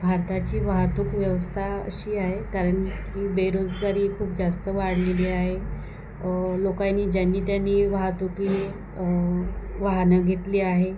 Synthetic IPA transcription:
bʱaɾt̪at͡ɕiːʋaɦat̪ukʋjəʋəst̪ʰaə̰ɕiːaɦekaɾəɳkiːbeɾod͡zɡaɾiːkʰuːp̚d͡zast̪əʋaɽ̤leliːaɦe | lokaniːd͡ʑanːiːt̪janːiːʋəɦat̪ukle | ʋaɦnaɡʱet̪liːaɦe

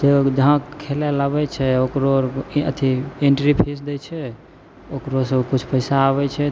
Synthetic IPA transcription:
d͡ʒed͡ʒəɦãkʰːelɛlabɛt͡ʃʰɛokɾoɾə̰t̪ʰieɳʈɾipʰisd̪ɛt͡ʃʰɛ | okɾosekut͡ʃʰpəɪsaːβɛt͡ʃʰɛ

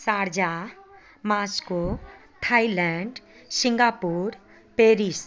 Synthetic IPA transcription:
saːɾd͡ʒa | maːsko | ʈʰailɛɳɖsɪ̃ŋɡaːpuːɾ | peːɾis

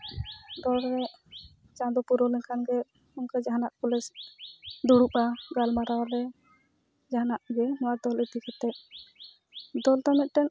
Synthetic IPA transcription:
d̪ɔlɾɛ | t͡ʃãd̪ɔpuɾɔlinkʰanɡɛ | ɔŋkad͡ʒaɦanaʔkɔlɛs | d̪uɽupaɡalmaɾawɾɛ | d͡ʒaɦanaʔɡɛnɔwad̪ɔlit̪ikʰɛt̪ɛʔ̚ | d̪ɔlt̪amɛt̪̚ˀʈɛn

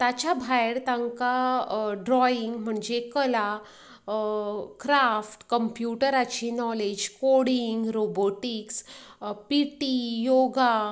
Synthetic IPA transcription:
t̪at͡ɕabʱajɽt̪aŋkaɖɾɔiŋɡm̤əɳd͡ʑekəla | kɾafʈkəmpjuʈəɾat͡ɕinɔled͡ʑkoɽiŋɡɾoboʈikspiʈijoɡa

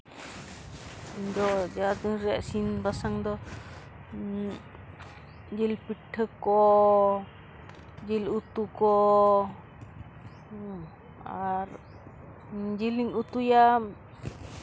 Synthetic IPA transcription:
ind̪ɔd͡ʒaad̪ɯŋɾɛɛʔsinbasaŋd̪ɔ | d͡ʒilpiʈʰːəkɔ | d͡ʒilut̪ukɔ | aɾ | d͡ʒiliŋut̪uja

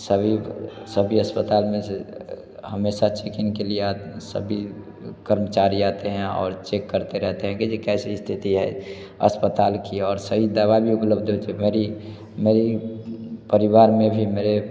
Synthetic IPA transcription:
səbʱisəbʱiəspət̪aːlmẽse | həmeːsat͡ʃekɪnkelieat̪sə̰bʱi | kəɾmət͡ʃaːɾiaːt̪eɦɛ̃ɔ̰ːɾt͡ʃekːəɾt̪eɾɛɦt̪eɦɛ̃ked͡ʒekɛːsist̪ʰɪt̪iɦɛ̰ | ə̰spət̪aːlkiɔːɾsəɦid̪aβabʱiʊpləbʱd̪ot͡ʃemeːɾi | meɾi | pəɾɪʋaːɾmẽbʱimeːɾe

